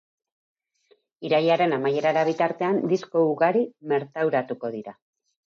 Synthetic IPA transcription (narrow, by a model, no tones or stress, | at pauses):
iɾajaɾe̞namaje̞ɾaɾaβ̞it̪aɾt̪e̞and̪isko̞uɣaɾime̞ɾt̪awɾat̪uko̞ðiɾa